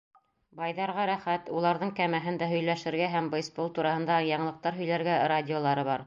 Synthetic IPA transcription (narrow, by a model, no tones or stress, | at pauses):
bɑjðɑɾʁɑɾæχæt̪ulˠɑɾðɤɴkæmæɦɘ̆nd̪æɦɵ̆jlæʃɘ̆ɾɡæɦæmbɤ̆jspolˠt̪uɾɑhɤ̆nd̪ɑjɑɴɤ̆lˠɤ̆q̚t̪ɑɾɦɵ̆jlæɾɡæɾadʲɪolˠɑɾɤβɑɾ